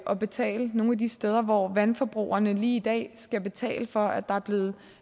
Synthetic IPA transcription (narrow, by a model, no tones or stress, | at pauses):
ʔɒ̽b̥e̝t͡sʰɛ̰ːləno̝ːnæd̥isd̥eð̞ˠɐʋɒʋænfɒ̽b̥ʁṵːɐnəliːid̥ɛ̰ːsɡ̥æb̥e̝t͡sʰɛ̰ːləfɒ̽æd̥ɑ̈æɐb̥le̝ːð̩ˠ